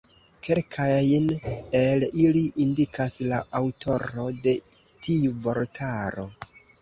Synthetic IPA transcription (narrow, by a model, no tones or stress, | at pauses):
kʰe̞lkʰajne̞liliʔindikʰaslaawtʰo̞ɾo̞de̞ | tʰiuvo̞ɾtʰaɾo̞̰